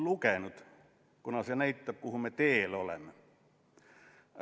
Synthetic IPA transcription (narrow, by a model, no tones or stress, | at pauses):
lukenut̪ | kunɑsɑnæit̪ːæpkuhumet̪eːlolḛmːe